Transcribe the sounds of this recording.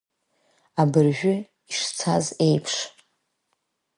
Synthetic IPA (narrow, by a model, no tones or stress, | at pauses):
abɨrʒᶣʊ | iʂt͡sʰaze̞jpʰʂ